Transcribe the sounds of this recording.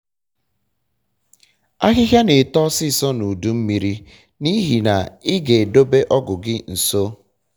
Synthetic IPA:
a˦ɦɪ˦ɦja˦ne˨tɔ˦sɪ˦˨sɔ˦nu˨du˦m̩˦mi˨ɾi˦ | ni˦ɦi˨na̰˨ɪ˦ɡe˨do˦be˦ʔɔ˦ɡʊ˨ɡɪ˦n̩˨so˦

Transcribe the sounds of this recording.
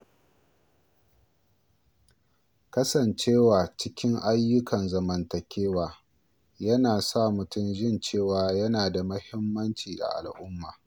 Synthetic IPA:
kɐ˦sɐ˨nt͡ʃeː˦waː˨t͡ʃɪ˦kʲɪ˦ŋʔa˦jːʊ˦kʰɐ˨nzɐ˨mɐ˨ntɐ˨kʲʰeː˦waː˨ | jɐ˦naː˨sa˦˨mʊ˨tʊ˦˨mʒɪ˦nt͡ʃeː˦˨waː˨jɐ˦naː˨da˨mɐ˦hɪ˦mːɐ˦nt͡ʃiː˨ʔa̰˨ʔa̰˨lʔʊ˦mːaː˨

